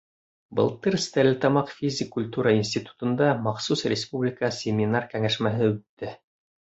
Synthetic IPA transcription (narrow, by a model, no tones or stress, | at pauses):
bɤ̰lˠt̪ɤɾst̪æɾlɘt̪ɑmɑqfʲizʲɪkːulʲt̪uɾəinsʲt̪ʲit̪u̥t̪ɤ̆nd̪ɑmɑχsusrʲɪspublʲɪkəsʲemʲɪnarkæŋæʃmæɦɘɵt̪ːɘ